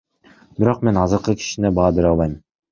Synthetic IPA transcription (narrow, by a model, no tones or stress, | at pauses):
biɾo̞q̚me̞nɑzɯɾqɯkʲʰi̥ʃinebɑːbeɾɑlˠbɑj